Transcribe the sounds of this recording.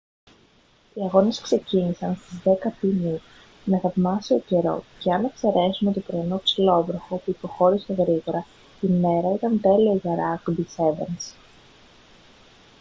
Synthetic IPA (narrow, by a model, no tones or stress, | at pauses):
iɐɣo̞neskse̞cinisɐnst̪izðe̞kɐpini | neθɐvmɐsio̞ce̞ɾo̞̰ce̞ɐnekse̞ɾe̞sumet̪opɾoino̞ksilo̞vɾoxo̞puipo̞xo̞ɾise̞ɣɾiɣo̞ɾɐ | ime̞ɾɐit̪ɐnt̪e̞lioʝɐɾɐkbise̞vḛns